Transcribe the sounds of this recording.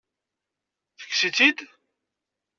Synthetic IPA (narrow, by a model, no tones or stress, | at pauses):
θə̥kːsit͡sid̪